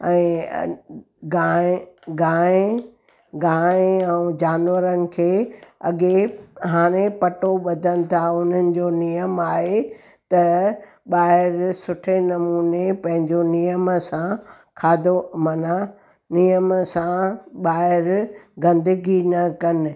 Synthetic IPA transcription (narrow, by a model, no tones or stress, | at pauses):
ɛ̃ː | ɡaɡaːẽ | ɡãːɛ̃ũd͡ʑaːnʋəɾənɪ̆kʰeːɐɠeɦaːɽ̃epɐʈoɓɐd̪ʱənɪ̆t̪ʰaʊn̤ənɪ̆d͡ʑonijəmaːɦe | t̪ɐ | ɓaːɦɪɾsʊʈʰenɐmuːnepɐ̃ɦɪ̃ɲd͡ʑonijəmsã | kʰaːd̪ʱomɐna | nijəmsãɓaːɦɪɾɡɐ̃nd̪əɡinɐkɐnɪ̆